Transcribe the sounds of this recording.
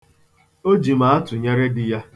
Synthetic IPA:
o˦d͡ʒi˨ma˨a˦tʊ˨ɲe˦ɾe˦dɪ˨ja˦

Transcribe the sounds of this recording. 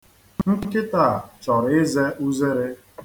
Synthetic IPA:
ŋŋ̩˦kɪ˦ta˦˨t͡ʃɔ˨ɾɪ˦ze˦ʔu˦ze˦ɾe˦

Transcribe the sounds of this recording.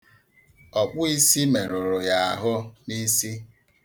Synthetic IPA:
ɔ˨k͡pʊ˦i˦si˦me˨ɾʊ˨ɾʊ˨ja˨a̰˨ɦʊ˦ni˦si˦

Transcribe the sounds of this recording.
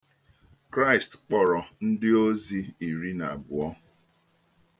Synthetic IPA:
kɾa˦ɪ˨stk͡pɔ˨ɾɔ˨n̩˦dɪ˦o˦zi˦i˨ɾi˦na˨bʊ˨ɔ˦

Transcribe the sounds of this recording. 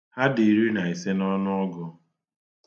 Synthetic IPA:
ha˦di˨ɾi˦na˨i˨se˦nɔ˦nʊ˦ɔ˦ɡɔ˨

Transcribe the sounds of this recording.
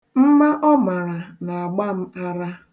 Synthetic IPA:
m̩˦ma˦ʔɔ˦ma˨ɾa˨na˨a˨ɡ͡ba˦m̩˦a˦ɾa˦

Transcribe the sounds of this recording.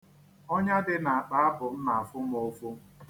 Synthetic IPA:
o˦ɲa˦dɪ˦na˨a˨k͡pa˨a˦bʊ˨m̩˦na˨a˨fʊ˦m˦o˦fʊ˦

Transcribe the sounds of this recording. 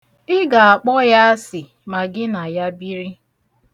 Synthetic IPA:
ɪ˦ɡa˨a˨k͡pɔ˦ja˦a˦sɪ˨ | ma˨ɡɪ˦na˨ja˦bi˦ɾi˦

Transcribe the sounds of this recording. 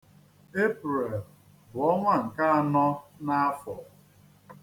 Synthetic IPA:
e˦pɾe˨l | bʊ˨ɔ˦ŋʷa˦ŋ̩˨ka˦a˦nɔ˦na˦a˦fɔ˨

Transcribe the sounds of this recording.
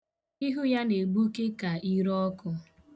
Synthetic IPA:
i˦ɦu˦ja˦ne˨ɡ͡bu˦ke˦ka˨i˦ɾɔ˦kʊ˦

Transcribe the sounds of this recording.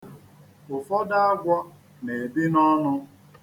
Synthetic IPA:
ʊ˨fɔ˦da˦a˦ɡʷɔ˦ | ne˨e˨bi˦nɔ˦nʊ˦

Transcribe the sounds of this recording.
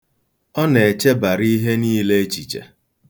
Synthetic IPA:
ɔ˦ne˨e˨t͡ʃe˦ba˨ɾi˦ɦe˦niː˦le˦t͡ʃi˨t͡ʃḛ˨

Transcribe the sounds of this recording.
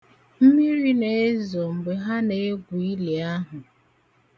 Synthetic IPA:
m̩˦mi˦ɾi˦ne˨e˦zo˨m̩˨ɡ͡be˨ɦa˦ne˨e˦ɡʷu˨i˦le˨a˦ɦʊ˨

